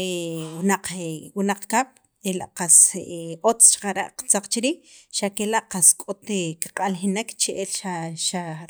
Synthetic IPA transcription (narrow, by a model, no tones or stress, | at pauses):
ewnaq͡χwunaq͡χkaɓ̥ | ela̰ʔqasot͡st͡ʃḁqaɾa̰ʔqt͡saq͡χt͡ʃiɾiːʃakelaʔqaskʼot̪ekaqʼalxinekt͡ʃeʔelʃaʃa